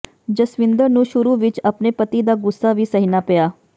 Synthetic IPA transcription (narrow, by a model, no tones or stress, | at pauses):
d͡ʑəsʋind̪əɾnũːɕuɾuʋit͡ʃapnepət̪id̪aɡusaʋiːsəɦinapəja